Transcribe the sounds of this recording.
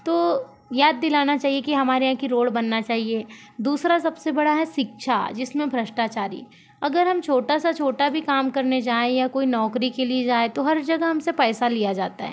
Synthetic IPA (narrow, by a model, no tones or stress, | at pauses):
t̪oː | jaːd̪̚ːɪlaːnat͡ʃaːɦiekiɦɐmaːɾeɦãkiɾoːɽbɐnːat͡ʃaːɦie | d̪uːsɾasɐbsebɐɽaɦɛʃɪkʃʰa̰d͡ʒɪsmẽbʱɾɐʃʈaːt͡ʃaːɾḭ | ɐɡəɾɦɐmt͡ʃʰoːʈasat͡ʃʰoːʈabʱikaːmkɐɾned͡ʒaːejakoːinɔːkɾikelied͡ʒaːet̪oɦɐɾd͡ʒɐɡəɦɐmsepɛːsalijad͡ʒaːt̪a̰ɦɛ̰ː